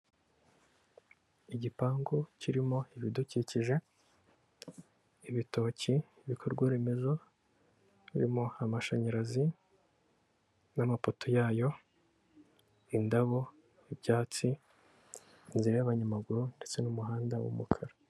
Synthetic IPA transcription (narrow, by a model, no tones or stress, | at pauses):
iɟipaːŋɡociɾimo̞iβiduciciʒe̞ | iβito̞ːci | iβikʰo̞ɾɡwaɾimezo | βiɾimoamaʃaɲaɾazi | namapotojaːjo̞ | indaβo̞ | ibɟaːt͡si | inziɾajaβaɲamaɡuɾunde̞t͡se̞numuɦaːndawṵmukʰaɾa